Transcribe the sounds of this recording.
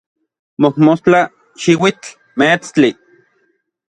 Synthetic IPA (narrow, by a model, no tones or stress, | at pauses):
mohmost͡ɬa | ʃiwit͡ɬ | met͡st͡ɬi